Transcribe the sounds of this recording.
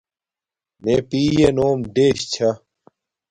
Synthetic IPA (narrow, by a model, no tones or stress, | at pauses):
nepiːjenoːmɖeːɕt͡ɕʰɐ